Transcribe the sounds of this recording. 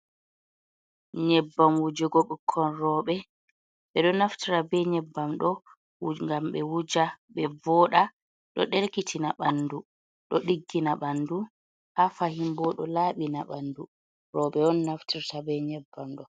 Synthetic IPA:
ɲɛbːamwud͡ʒɛɡoɓukʰːɔnrɔɓɛ | ɓɛɗɔnaftiɾabɛɲɛbːamɗɔ | ŋɡamɓɛwud͡ʒaɓɛvɔːɗa | ɗɔɗeɾkitʰinaɓandu | ɗɔɗiɡːinaɓandu | hafahimbɔɗɔ̰laːɓinaɓandu | rɔɓɛɔnːaftiɾtabɛɲɛbːamɗɔ

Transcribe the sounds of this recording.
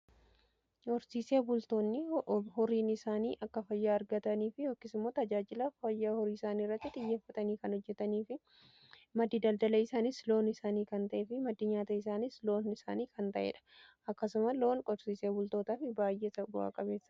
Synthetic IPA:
kɔɾsiːseːbʊlt̪o̞ːnːɪhɔɾiːnɪsaːniːʔɐkːɐfɐjːaːɐɾɡɐt̪ɐniːfɪjoːkːɪsɪmːoːt̪ɐd͡ʒaːd͡ʒɪlɐfɐjːaːhɔɾiːɪsaːnirːɐt̪ːɪt̪ʼɪjːeːfːɐt̪ʼɐniːkɐnhɔd͡ʒːɛt̪ɐniːfɪ | mɐd̪iːd̪ɐld̪ɐlɐɪsaːnɪslo̞ːnɪsaːniːkɐnt̪ɐʔeːfɪmɐd̪ɪɲaːt̪ɐɪs̬aːnɪslo̞ːnɪsa̰ːniːkɐnt̪ɐʔḛːᶑɐ̥ʔɐkːɐsʊmɐlo̞ːnkɔɾsiːseːbʊlt̪o̞ːt̪aːfɪbaːjʔesɐbʊa̰ːkʼɐbe̞ːsːɐ̥

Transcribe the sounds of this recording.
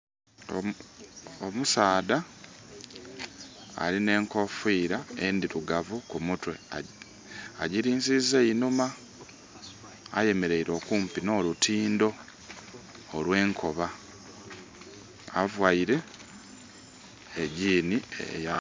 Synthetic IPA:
omusaːda | line̞ːŋko̞fiːɾaendiɾuɡavukumutwe̞ | aɟiɾiːnzizeinuma | je̞me̞ɾe̞iɾo̞ːkuːmpino̞ːlutʰiːndo̞ | lwe̞ːŋkʰo̞βa | a̰vwaiɾe̞ | ɟiːniḛja

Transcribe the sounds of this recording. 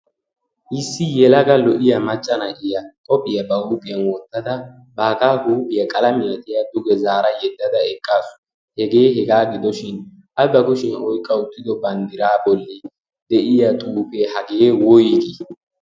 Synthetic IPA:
ʔɪsːɪjɛlɐɡɐlɔʔɪjɐmɐt͡ʃʼːɐnɐʔɪjɐkʼɔpʼːɪjɐbɐuːpʼɪjɐnwɔt̪ːɐd̪ɐ | baːkaːhuːpʼɪjɐkʼɐlɐmɪjɐt̪ɛjɐd̪ʊɡɛzaːɾɐjɛd̪ːɐd̪ɐɛkʼːaːsʊ̥ | hɛɡe̞ːɦɛɡaːɡɪd̪ɔʃɪn | ʔɐbɐkʊʃɪnɔjkʼːɐʊt̪ːɪd̪ɔbɐnd̪ɪɾaːbɔlːɪ | d̪ɛʔɪjɐt̪ʼuːpehɐɡeːwɔjɪɡ̪i

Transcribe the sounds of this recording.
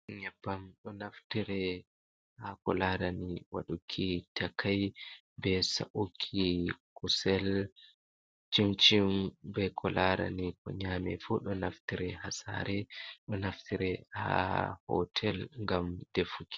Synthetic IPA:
ɲabːamɗɔnaftiɾɛ | hakɔlaɾaniwa̰ɗukʰːitakʰaj | bɛsa̰ʔukʰːikusɛl | t͡ʃimt͡ʃimbɛkʰɔlaɾa̰nikɔ̰ɲamɛfuɗɔnaftiɾɛhasa̰ɾɛɗɔnaftiɾɛha̰hɔ̰tʰɛlŋɡamdefuki̥

